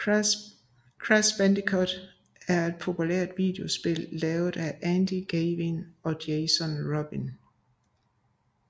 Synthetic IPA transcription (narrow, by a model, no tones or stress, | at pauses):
kʰʁasb̥ænd̥ikʰɔd̥ | æɐe̝d̥̚pʰo̝pʰulḛɐ̰d̥ʋḭːd̥e̝o̝sb̥e̝lːɛːʊð̩ˠæʔænd̥iɡ̥eːʋinɒ̽d̥eɪsɔnʁɒb̥in